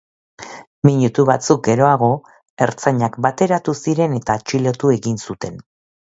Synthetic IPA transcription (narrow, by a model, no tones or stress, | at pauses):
miɲut̪uβat͡suk̚ɡe̞ɾo̞aɣ̞o̞ | e̞ɾt͡saɲakbat̪e̞ɾat̪usiɾe̞ne̞t̪at͡ʃilo̞t̪ue̞ɣinsut̪e̞n